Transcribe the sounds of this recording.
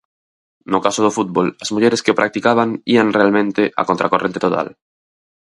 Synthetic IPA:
nokasoð̞ofut̪̚bolazmuʎeɾeskeopɾʔak̚t̪ikaβ̞aŋianrealmẽnt̪eʔa̰kont̪ɾakorent̪et̪ot̪a̰l

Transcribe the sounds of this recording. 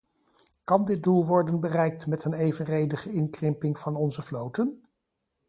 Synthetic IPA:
kɑndɪt̚dulˠʋɔɹdənbərɛjk̚tmɛtənejvənrejdəχəɪŋkrɪmpɪŋv̥ɑnɔnzəvlowtən

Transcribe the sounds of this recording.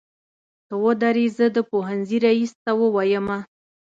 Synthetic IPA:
t̪əwəd̪aɾizəd̪əpoɦanziɾaist̪awəwajəma

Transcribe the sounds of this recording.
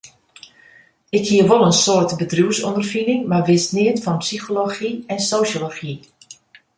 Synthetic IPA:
ɪkhiəʋolˠənsoətbədruəsɔ̰ndərfinɪŋmarʋɪsnɪətfɔnpsixoloxiɛnsoːsjoloxi

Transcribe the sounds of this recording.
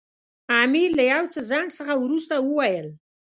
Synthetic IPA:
amiɾlajawt͡səzɑɳɖsəxawɾust̪awəwajəl

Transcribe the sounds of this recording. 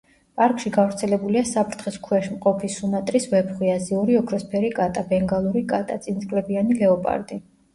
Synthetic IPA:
pʼaɾkʼʃiɡavɾt̪sʰɛlɛbuliasapʰɾt̪ʰχɛskʰwɛʃmqʼɔpʰisumat̪ʼɾisvɛpχwiaziuɾiɔkʰɾɔspʰɛɾikʼat̪ʼabɛŋɡalˠuɾikʼat̪ʼat̪sʼinsʼkʼlɛbianilɛɔpʼa̰ɾd̪ʼi

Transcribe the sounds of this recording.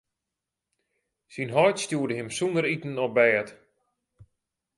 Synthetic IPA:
sinɦɔjtstjuːədəɦɪmsundəɾitən̩ɔp̚bɛːt

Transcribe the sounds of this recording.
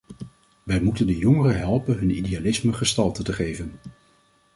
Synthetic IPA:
ʋɛjmutəndəjɔŋərəɦɛlˠpənɦɵnidejalɪsməχəstɑlˠtətəχejvən

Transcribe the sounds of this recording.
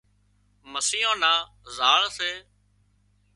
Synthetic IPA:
məsiːõːnãː | zaːɭseː

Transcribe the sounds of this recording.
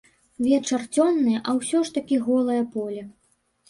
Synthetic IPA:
vʲɛt͡ʂɐrt͡sʲɔnːɨjɐʔɐwsʲɔʂt̪ɐkʲiɣɔlˠɐjɐpɔlʲɛ

